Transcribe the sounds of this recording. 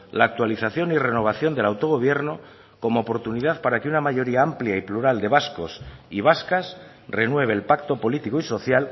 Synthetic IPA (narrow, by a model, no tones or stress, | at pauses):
laːk̚t̪waliθaθjo̞nire̞no̞β̞aθjo̞nd̪e̞lawt̪o̞ɣ̞o̞β̞je̞ɾno̞ | ko̞mo̞ːpo̞ɾt̪uniðaðpaɾakeunamaʝo̞ɾiaampljaipluɾald̪e̞β̞asko̞siβ̞askas | re̞nwe̞β̞e̞ːlpakt̪o̞po̞lit̪ikoiso̞θjal